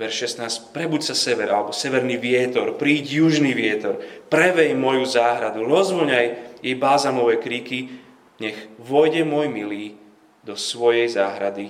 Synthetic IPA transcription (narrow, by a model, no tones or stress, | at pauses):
ʋɛɾʃʃɛst̪naːscpɾɛbucsasɛʋɛɾalɛbɔsɛʋɛɾniːʋɪɛt̪ɔɾpɾiːɟjuʒniʋɪɛt̪ɔɾpɾɛʋɛjmɔjuzaːɦɾad̪uɾɔzʋɔɲajjɛjbaːzamɔʋɛkɾiːki | ɲɛɣʋɔjɟɛmɔjmiliː | d̪ɔsʋɔjɛjzaːɦɾad̪i